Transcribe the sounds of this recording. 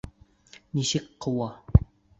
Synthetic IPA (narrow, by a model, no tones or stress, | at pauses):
nisɘkqɤ̆wɑ